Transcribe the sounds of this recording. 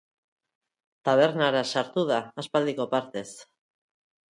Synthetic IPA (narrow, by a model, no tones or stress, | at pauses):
t̪aβ̞e̞ɾnaɾasaɾt̪uð̞aːspald̪iko̞paɾt̪e̞s